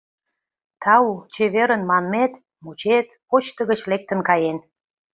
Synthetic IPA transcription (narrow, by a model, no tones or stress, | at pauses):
t̪ɑut͡ɕeβeɾənmɑnmet̪ | mut͡ɕet̪pot͡ɕt̪ə̆ɣə̆t͡ɕlek̚t̪ə̆nkɑjen